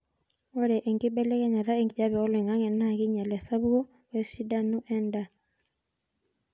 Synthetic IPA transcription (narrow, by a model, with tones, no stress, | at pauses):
wɔ˦ɾɛ˨ʔe˨ŋɡi˦bɛ˦lɛ˦kɛ˦ɲa˨ða˦e˨ŋɡi˨ɟa˦bɛ˨ɔ˦lɛ˨ŋa˦ŋɛ˨na˨ki˦ɲa˨lɛ˨sa˦bu˦ɡɔ˦ | we˦si˦da˦nu˦ʔɛnda˨